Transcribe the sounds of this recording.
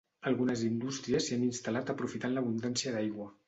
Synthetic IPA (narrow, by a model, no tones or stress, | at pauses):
əlˠɣunəzind̪ust̪ɾiəsianinst̪alat̪əpɾufit̪anləβund̪ansiəd̪ajɣwə